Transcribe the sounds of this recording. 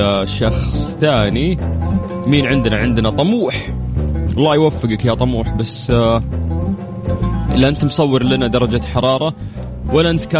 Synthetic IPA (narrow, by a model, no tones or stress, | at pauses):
aʃɑxsˤt̪aːni | miːnʕɪnd̪naʕɪnd̪nat̪ˤɑmuːħʔɑlˤːɑːjwafːɪɡakjat̪ˤɑmuːħbasː | ʔɪlːaʔɪnt̪msˤɑwːɪɾlanad̪ɑɾˤɑd͡ʒaħɑɾˤɑːɾˤɑ | walːaʔɪnt̪kaː